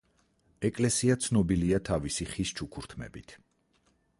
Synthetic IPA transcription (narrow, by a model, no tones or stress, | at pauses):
ɛkʼlɛsiat̪sʰnɔbiliat̪ʰavisiχist͡ʃʰukʰuɾt̪ʰmɛ̰bit̪ʰ